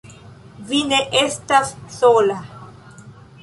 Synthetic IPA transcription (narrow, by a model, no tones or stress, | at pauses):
vineʔestasːola